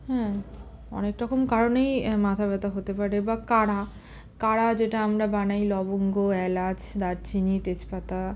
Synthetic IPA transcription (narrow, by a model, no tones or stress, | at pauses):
hɛ̃ | ɔ̰nekɾɔkomkaɾonejmat̪ʰabɛt̪aɦot̪epaɾeebakaɽa | kaɽad͡ʑeʈaamɾabanajlɔboŋɡoɛlad͡ʑʰd̪aɾt͡ɕʰinit̪et͡ɕpat̪a